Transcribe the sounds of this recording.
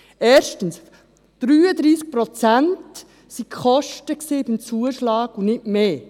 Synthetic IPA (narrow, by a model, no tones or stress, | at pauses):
ɛːɾʃtəns | d̥ɾyːəd̪ɾiːsk̚pɾɔt͡sænt | sikχɔʃtəksebimt͡suəʃlɑːɡunɪtmeː